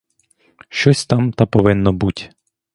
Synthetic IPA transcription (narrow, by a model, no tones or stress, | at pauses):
ʃt͡ʃɔsʲt̪ɑmt̪ɐpɔʋɪnːɔbutʲ